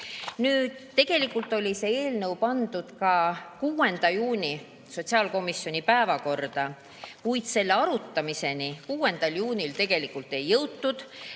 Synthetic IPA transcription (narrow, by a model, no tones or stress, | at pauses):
nyːd̪̥e̞ɡ̥e̞likːult̪ːˑo̞lʲise̞e̞ːlnɤwpɑnd̪ud̪̥kɑkuːe̞nd̪̥ɑjuːnʲi | so̞t̪ʲsiɑːlko̞misjo̞nʲipæevɑko̞rd̪̥ɑ | kujd̪̥se̞lːeɑɾut̪ːɑmise̞nikuːe̞nd̪ɑljuːnʲilt̪e̞ɡ̥e̞likːˑult̪ːe̞jːɤwt̪ːud̪̥